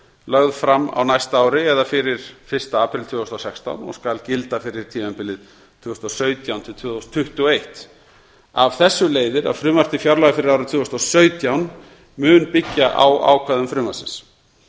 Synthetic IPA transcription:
lœɣðfɾamːa̰wnajst̪aaːwɾɪɛðafɪɾɪɾ̥fɪr̥st̪aaːpɾɪlt̪ʰʏːðst̪awsɛkst̪a̰wnɔ̰skalcɪlt̪afɪɾɪɾ̥t̪ʰiːmɛmpɪlːɪð | t̪ʰvʏst̪awsœːɥt̪jawnt̪ʰɪlt̪ʰvːðst̪ʰːʏht̪ʏɔejht̪ | avθɛsːʏleːjðɪɾa̰ðfɾʏːmar̥t̪ɪfjawɾlaɣafɪɾɪɾawɾɪt̪ʰʏːɔst̪awsœːɥt̪jawn | mʏːnpɪcːaʔa̰wa̰ːwkʰaðʏmfɾʏːmḁsɪns

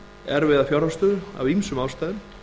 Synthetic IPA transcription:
ɛɾvɪːðafjawɾast̪ʏːðʏa̰vimsʏmaːwst̪ajðʏm

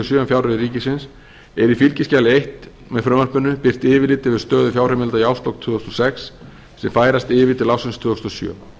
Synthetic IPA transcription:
sjœːmfjawɾʏiɾiːcɪsɪns | ɛɾifilcɪscaːlɪejht̪ | mɛðfɾʏːmarpʏnːʏpɪr̥t̪ɪːvɪlɪːt̪ɪvɪðst̪œːðʏfjawrɛmɪlt̪ajawst̪lɔwk̚t̪ʰʏːðɔst̪ɔsɛks | sɛmfaːjɾast̪ɪːvɪt̪ʰɪlawsɪnst̪ʰvʏːɔst̪ɔsjœ̰

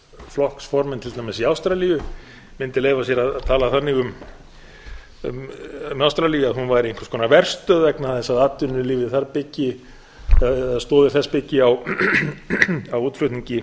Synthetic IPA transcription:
flɔhksfɔɾmɪnt̪ʰɪlt̪ʰaːjmɪsiawst̪ɾaliːjʏ | mɪnt̪ɪleːjvasjɛɾaððt̪ʰaːlaθanːɪɣʏm | mmawst̪ɾaliːjaðɦunvajɾɪɪŋ̥kʰḁɾskʰɔːnavɛr̥st̪œðvɛknaθɛsːaðaːt̪ːʏnːʏlɪːvɪθaɾpɪcːɪ | ɛaðst̪ɔːðɪ̥θɛspɪcːɪaw | awuːt̪flʏht̪niɲcɪ

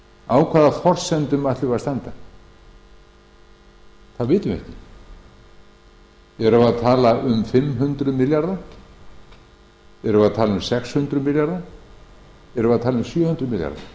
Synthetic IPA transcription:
aːwkʰvaːðafɔr̥sɛnt̪ʏmaht̪lɪvaɾst̪ant̪a | θaðvɪːt̪ʏmɛ̰hcɪ | ɛɾavaðt̪ʰaːlaʔʏmfɪmːɦʏnt̪ɾʏmɪljaɾða | ɛɾʏvaðt̪ʰaːlaʏmsɛkshʏnt̪ɾʏmɪljaɾða | ɛɾʏvaðt̪ʰaːlaʏmsjœːhʏnt̪ɾʏmɪlja̰ɾða̰

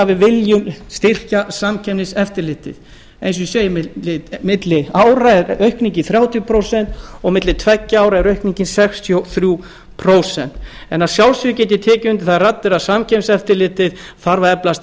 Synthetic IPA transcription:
avɪvɪljʏmst̪ɪr̥casamcʰɛmnɪsɛft̪ɪɾlɪːt̪ɪ̰ð | ejns̬ʏseːjɪmɪɪmɪt̪lɪaːwɾaɛɾœɥhkniɲcɪθɾjaːwt̪ʰjpʰɾowsɛn̥t̪ɔɣmɪt̪lɪt̪ʰvɛcːɪaːwɾaɛɾœɥhkniɲcɪnsɛkst̪ʰjowθɾju | pʰɾoːwsɛn̥t̪ | ɛnaðsjawlsʏʏcɛːt̪ɪt̪ʰɛːcʏnt̪ɪ̥θarat̪ːɪɾasamcʰɛmsɛft̪ɪɾlɪːt̪ɪð | θaɾvaɾɛplast̪

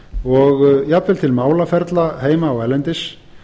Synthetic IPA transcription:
ɔɣjapvɪlt̪ʰɪlmaːwlafɛɾt̪laheːjmaːwɛlːɛnt̪ɪs

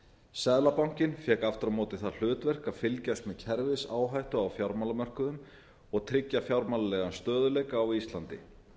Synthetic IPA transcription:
sɛðlapawŋ̥cɪnfjɛːkaft̪ɾamɔːt̪ɪθaðl̥ʏːt̪vɛr̥kaðfɪlcast̪mɛðcʰɛɾvɪsaːwɦajht̪ʏawfjawɾmalamœr̥kʏðʏm | ɔɣt̪ʰɾɪcːafjawɾmalalɛɣanst̪œːðʏlɛːjkaːwist̪lant̪ɪ̰

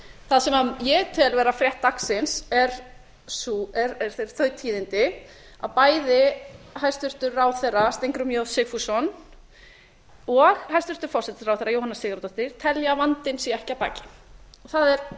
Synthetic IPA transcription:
θaðsɛmajɛɣt̪ʰɪɛlvɛːɾafɾjɛht̪ːaksɪnsɛɾ̥ | suɛɾɛɾ̥θej̥θœɥt̪ʰiːðɪnt̪ɪ | a̰ðpaːjðɪhajst̪ʏr̥t̪ʏɾrawθejrast̪ejŋkɾʏmjowsɪɣfusɔn | ɔɣhajst̪ʏɾ̥t̪ʏɾ̥fɔrsɛt̪ɪ̥ɾawθejɾrajowhanasːɪːɣaɾt̪ɔht̪ɪɾ̥t̪ʰɛljavant̪ɪnsiɛhcapa̰ːcɪ̥ɔɣθaðɛɾ

